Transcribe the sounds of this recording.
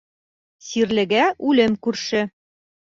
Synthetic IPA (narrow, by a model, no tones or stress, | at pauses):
siɾlɘ̆ɡæʉlɘmkʉɾʃɘ